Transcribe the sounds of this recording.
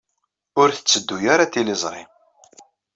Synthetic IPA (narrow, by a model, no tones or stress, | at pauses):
ʊɾθə̥t͡sːəd̪ːujaɾat̪ilɪzˤɾˤḭ